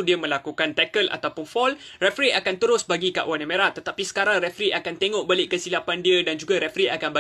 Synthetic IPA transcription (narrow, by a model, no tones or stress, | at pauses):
diəmə̃lakukant̪ɛkəlʔa̰t̪awpʊnfɔlrɛfɾiakant̪əɾʊsbaɡika̰ʔwanə̃mẽɾat̪ːət̪apisə̥kaɾaŋɾɛfɾiʔakant̪eŋɔʔbalɪʔkəsilapandiədand͡ʒuɡaɾɛfɾiʔakanba